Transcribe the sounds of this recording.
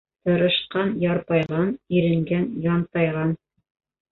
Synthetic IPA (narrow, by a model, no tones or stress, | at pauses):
t̪ɤ̆ɾɤ̆ʃqɑnjɑɾpɑjʁɑniɾɘ̆ŋɡænjɑnt̪ɑjʁɑn